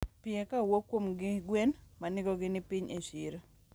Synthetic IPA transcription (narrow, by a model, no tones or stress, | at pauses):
pɪekawokːwomɡɪɡwenmanɪɡoɡɪnɪpɪɲʔeʃiɾo